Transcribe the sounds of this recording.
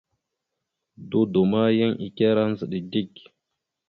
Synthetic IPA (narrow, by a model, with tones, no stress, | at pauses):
do˦do˨ma˦jə˦ŋʔi˨kʲe˦ɾa˦n˦zə˨ɗi˨di˦˨k